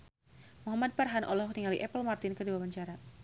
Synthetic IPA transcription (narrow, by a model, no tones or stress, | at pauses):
muɦamad̪̚parɦanʔɔ̰lɔhniŋaliʔɛpəlmart̪ɪnkərdiwawaɲt͡ʃaɾa